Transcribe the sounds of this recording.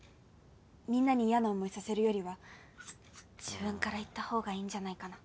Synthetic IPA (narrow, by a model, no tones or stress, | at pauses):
mʲĩnːaɲ̟iːjano̞ːmo̞isase̞ɾɯ̟jo̞ɾʲiβa | d͡ʑibɯ̟̃ŋkaɾait̪ːaho̞ːɡaĩːɲd͡ʑanaikana